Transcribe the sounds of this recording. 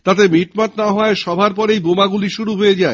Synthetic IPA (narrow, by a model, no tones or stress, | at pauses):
t̪at̪̬emiʈmat̪naaɦɔeʃɔbʱaɾp̬ɔɾejbomaɡuliʃuɾuɦojed͡ʑae